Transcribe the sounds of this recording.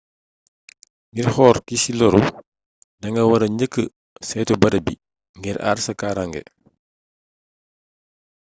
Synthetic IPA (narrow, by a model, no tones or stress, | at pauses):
ŋɡirxɔːɾkisilɔɾu | ndɐŋɡɐwɐɾɐɲəkːə | sɛjtɔbɐdɐbi | ŋɡiɾʔa̰ːrsɐkaːɾaŋɡɛ̰